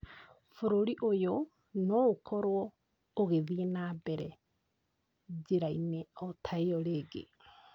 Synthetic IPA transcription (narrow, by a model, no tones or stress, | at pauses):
foɾoɾiʔojo | nɔokʰɔɾwɔ | oɣeðienabɛɾɛ | d͡ʑeɾaineɔtʰaeɔɾeːɡḛ